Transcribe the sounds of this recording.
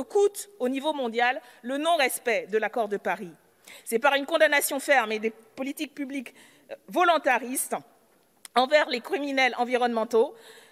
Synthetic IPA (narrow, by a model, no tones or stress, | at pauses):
əkut̪onivomɔ̃d̪jalːənɔ̃ʁɛspɛd̪əlakɔʁd̪əpaʁi | sɛpaʁynkɔ̃d̪anasjɔ̃fɛʁmed̪epɔlit̪ik̚pyblik | vɔlɔ̃t̪aʁist̪ | ɑ̃vɛʁlekχiminɛlɑ̃viʁɔnmɑ̃t̪o